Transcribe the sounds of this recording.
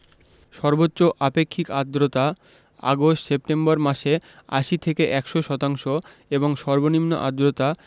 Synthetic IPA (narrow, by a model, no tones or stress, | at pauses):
ʃɔɾbotːɕoʔapekʰːikad̪ɾot̪a | a̰ɡoʃsep̚ʈembaɾmaʃea̰ʃit̪ʰekeʔɛkʃoʃɔt̪aŋʃo | eboŋʃɔɾbonimno̰ʔad̪ɾot̪a